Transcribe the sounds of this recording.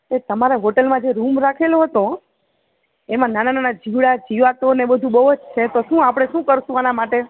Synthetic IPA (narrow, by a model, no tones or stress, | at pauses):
et̪əmaɾeɦoʈelmãd͡ʒeɾumɾakʰeloɦət̪o | emãnanananad͡ʒiʋɽad͡ʒiʋat̪onebəd̪ʱũbəɦod͡ʒt͡ʃʰet̪oʃũapɽ̃eʃũkəɾʃũanamaʈe